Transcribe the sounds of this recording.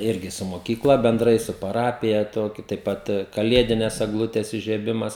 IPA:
ˈɪrʲɡʲɪ sʊ moːˈkʲiːklˠɐ bʲɛnˈdrɐɪ sʊ pɐˈrɑːpʲɪjɛ ˈtoːkʲʊ tɐɪp ˈpɐt kɐˈlʲiɛdʲɪnʲɛs ɛɡˈlˠʊtʲɛs ɪʒʲiɛˈbʲɪmɐs

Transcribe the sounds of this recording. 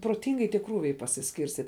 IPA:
proːˈtʲɪŋɡɐɪ tʲiɛ ˈkruːʋʲɛɪ pɐsʲɪsʲkʲɪrʲsʲˈtʲiːtʲ

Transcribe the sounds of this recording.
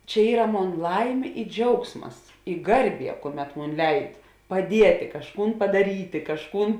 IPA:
t͡ʃʲɛ ˈiːrɐ ˈmoːn ˈlˠɐɪmʲeː ɪ ˈd͡ʒʲɛʊksmɐs ɪ ˈɡɐrʲˌbʲiɛ ˈkuɔˌmʲɛt ˈmoːn ˈlʲɛɪt pɐˈdʲiɛtʲeː kɐʃˈkuːn pɐdɐˈrʲiːtʲeː kɐʃˈkuːn

